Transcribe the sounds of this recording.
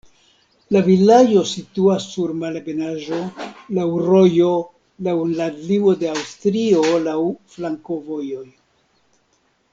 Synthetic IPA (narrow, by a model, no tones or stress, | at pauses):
lavilajo̞situasːuɾmalbenaʒo̞lawɾo̞jo̞ | lawnladliwo̞de̞awstɾio̞lawflaŋko̞vo̞jo̞j